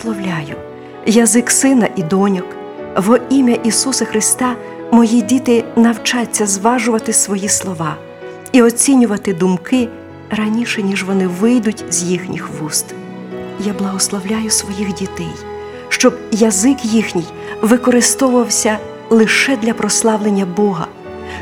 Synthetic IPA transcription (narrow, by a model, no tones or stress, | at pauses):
lˠɔwlʲajʊ | jɐzɪksɪnɐʔid̪ɔnʲɔk | ʋɔʔimʲɐʔisusɐxɾɪst̪ɑ | mɔjidʲit̪ɪnɐwt͡ʃɑt͡sʲːɐzʋɑʒʊʋɐt̪ɪsʋɔjislˠɔʋɑ | iɔt͡sʲinʲʊʋɐt̪ɪd̪ʊmkɪ | ɾɐnʲiʃɛnʲiʒʋɔnɪʋɪjd̪ʊtʲzʲjixnʲixʋust̪ | jablˠɐɦɔslˠɔwlʲajʊsʋɔjixdʲit̪ɛj | ʃt͡ʃɔbjɐzɪkjixnʲij | ʋɪkɔɾɪst̪ɔʊʋɐwsʲɐ | lˠɪʃɛd̪lʲɐpɾɔslˠɑʋlˠenʲːɐbɔɦɐ̰